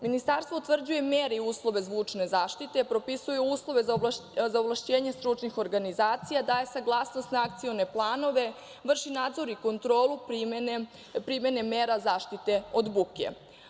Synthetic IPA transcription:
minist̪aɾst̪ʋout̪vr̩d͡ʑuje̞meːɾiuːslˠo̞ʋe̞zʋuːt͡ʂne̞zaːʃt̪it̪e̞pɾo̞pisujeuːslˠo̞ʋe̞zazaovlˠaʃt͡ɕeːɲest̪ɾunixo̞ɾɡanizaːt̪sijad̪aesaɡlˠaːsnost̪naak̚t̪sijone̞plˠaːno̞ʋe̞ | ʋr̩ʃinaːd̪zo̞ɾiko̞nt̪ɾo̞ːlˠupn | pɾimje̞ne̞meːɾazaːʃt̪it̪e̞o̞d̪bukḛ

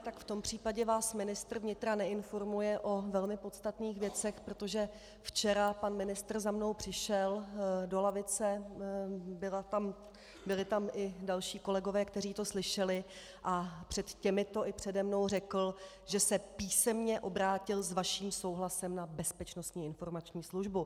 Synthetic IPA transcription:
t̪akft̪o̞mpr̝̥iːpaɟɛvaːsmɪnɪst̪r̩vɲɪt̪ɾanɛɪnfo̞ɾmujɛʔo̞vɛlmɪpo̞t̪st̪at̪niːxvjɛt͡sɛxpɾo̞t̪o̞ʒɛ | ft͡ʃɛɾapanmɪnɪst̪r̩zamno̞wpr̝̥ɪʃɛldo̞lavɪt͡sɛ | bɪlat̪am | bɪlɪt̪amʔɪdalʃiːko̞lɛɡo̞vɛːkt̪ɛriːt̪o̞slɪʃɛlɪ | ʔapr̝̥ɛt̪cɛmɪt̪o̞ʔɪpr̝̥ɛdɛmno̞wrɛkl̩ | ʒɛsɛpiːsɛmɲɛʔo̞bɾaːcɪlzvaʃiːmso̞wɦlasɛmnabɛspɛt͡ʃno̞st̪ɲiːɪnfo̞ɾmat͡ʃɲiːsluʒbu

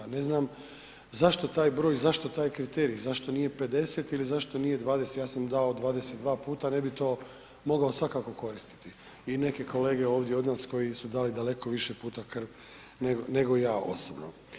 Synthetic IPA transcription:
ane̞znaːm | zaʃt̪ot̪aːjbɾoːjzaʃt̪o̞t̪aːjkɾit̪eːɾizaʃt̪o̞nije̞pe̞d̪e̞set̪ilizaʃt̪o̞nije̞d̪ʋaːd̪eset̪jaːsamd̪aod̪ʋaːd̪e̞set̪d̪ʋaːpuːt̪ane̞bit̪o̞ː | mo̞ɡao̞sʋakako̞ko̞ɾist̪i̥t̪i | ine̞ke̞ko̞le̞ːɡe̞o̞ːʋd̪jeo̞d̪naːsko̞jisud̪aːlid̪ale̞ko̞ʋiʃepuːt̪akr̩ʋ | neɡne̞ɡo̞ijaːʔo̞̰sobno

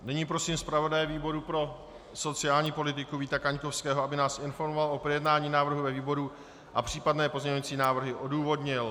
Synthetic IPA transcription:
nɛɲiːpɾo̞siːmspɾavo̞dajɛviːbo̞ɾupɾo̞ | so̞t͡sɪaːlɲiːpo̞lɪt̪ɪkuviːt̪akaɲkofskɛːɦoabɪnaːsʔɪnfo̞ɾmovalʔo̞pɾojɛdnaːɲiːnaːvr̩ɦuvɛviːbo̞ɾu | ʔapr̝̥iːpadnɛːpo̞zɲɛɲoat͡siːnaːvr̩ɦɪʔo̞duːvo̞dɲɪl

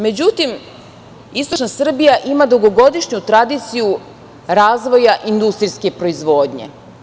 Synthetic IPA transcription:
me̞d͡ʑut̪im | ist̪o̞t͡ʃnasr̩bijaʔimad̪uɡoɡo̞d̪iʃɲut̪ɾad̪it̪siju | ɾaːzʋo̞jaʔind̪ust̪ɾiske̞pɾo̞izʋo̞ːd̪ɲe̞̰

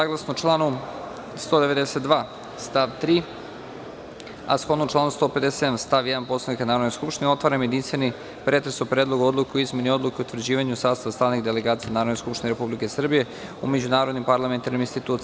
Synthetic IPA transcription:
saːɡlˠasnot͡ʃlˠaːnu | st̪o̞d̪eʋe̞d̪eset̪̚d̪ʋaː | st̪aʋt̪ɾiː | a̰sxo̞d̪not͡ʃlˠaːnust̪o̞ped̪esed̪amst̪aʋjɛd̪anpo̞slavnikanaːɾod̪noskupʃt̪inɛo̞t̪ʋaɾamjed̪inst̪ʋeni | pɾe̞t̪ɾesopɾeːd̪lˠoɡuo̞d̪lˠukeoizme̞nio̞d̪lˠukeut̪ʋr̩d͡ʑiːʋaɲusaːd̪saʋast̪ɾaːniɣd̪e̞leɡaːt̪sijenaɾod̪neskupʃt̪ineɾe̞publikesr̩bije̞ | ume̞d͡ʑunaːɾo̞d̪nimpaɾlament̪aɾniminst̪it̪uːt̪

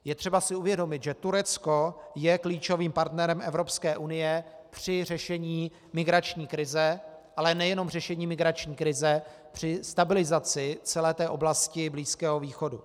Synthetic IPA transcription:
jɛt̪r̥ɛbasɪuvjɛdo̞mɪt̪ʒɛt̪uɾɛt͡sko̞jɛkliːt͡ʃo̞viːmpaɾt̪nɛɾɛmʔɛvɾo̞pskɛːʔunɪjɛ | pr̥ɪr̝ɛʃɛɲiː | mɪɡɾat͡ʃɲiːkɾɪzɛʔalɛnɛjɛno̞mr̝ɛʃɛɲiːmɪɡɾat͡ʃɲiːkɾɪzɛ | pr̝̥ɪst̪abɪlɪzat͡sɪt͡sɛlɛːt̪ɛːʔo̞blascɪbliːskɛːɦoviːxo̞dṵ

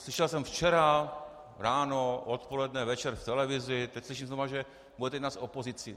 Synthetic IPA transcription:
slɪʃɛlsɛmft͡ʃɛɾa | ɾaːnoʔot̪po̞lɛdnɛvɛt͡ʃɛɾft̪ɛlɛvɪzɪt̪ɛcsliʃ̬imznovaʒɛ | bujɛt̪ɛnaːsopozɪt͡sɪ

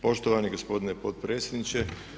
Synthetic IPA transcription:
po̞ʃt̪oʋaniɡospo̞d̪inepot̪̚pɾe̞ːt̪sʲjed̪nit͡ɕe

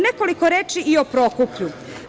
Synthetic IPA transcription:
nekoliko̞ɾeːt͡ʃiʔiopɾo̞kupʎu

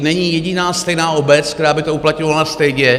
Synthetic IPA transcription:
nɛɲiːjɛɟɪnaːst̪ɛjnaːo̞bɛt͡skt̪ɛɾaːbɪt̪ouplat̪ɲo̞valast̪ɛjɟɛ

